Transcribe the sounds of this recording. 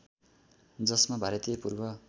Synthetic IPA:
d͡zʌsmabʱaɾʌt̪ijʌpurbʱʌ

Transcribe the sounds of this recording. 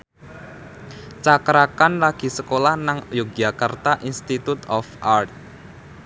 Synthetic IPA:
t͡ʃakɾakanlaɡ̥i̤səkolahnaŋjoɡ̥akart̪aʔinst̪it̪ut̪ɔfart̪̚

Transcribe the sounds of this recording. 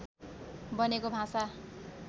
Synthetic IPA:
bʌnekobʱãsa

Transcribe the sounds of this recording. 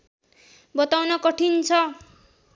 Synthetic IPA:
bʌt̪awnʌkʌʈʰint͡sʰʌ

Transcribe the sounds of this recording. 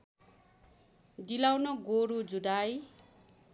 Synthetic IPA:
d̪ilawnʌɡoɾud͡zudaj

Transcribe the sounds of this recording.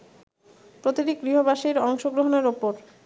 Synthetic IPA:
pɾot̪iɾik̚ɡɾiɦobaʃiɾɔŋʃoɡɾoɦoneɾupoɾ

